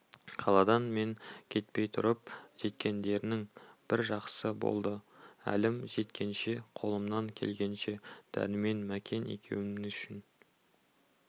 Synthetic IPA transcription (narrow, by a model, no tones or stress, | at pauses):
qʰɑlˠɑd̪ɑnme̞ŋkʲʰe̞t̪̚pe̞jt̪ʰʊɾəp̚ʒ̥e̞t̪kʲe̞nd̪e̞ɾɪnɪŋb̥ɪɾʒɑqsəbo̞̰lˠd̪əæ̰lɪmʒe̞t̪kʲe̞nʃe̞qʰo̞lˠəmnɑŋkʲʰe̞̰lɡʲe̞nʃe̞d̪̥æ̰nɪme̞nmækʲʰe̞nḛkʲʰe̞̰wɪɪʏʃɪn